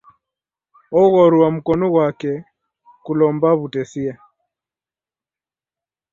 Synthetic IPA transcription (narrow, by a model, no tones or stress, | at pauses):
ɔɣɔɾuwam̩kɔnɔɣwakɛ | kulɔmbaβutɛsia